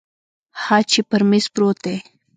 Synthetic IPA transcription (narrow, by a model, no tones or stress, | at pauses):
hat͡ʃɪpəɾmɪspɾoːt̪e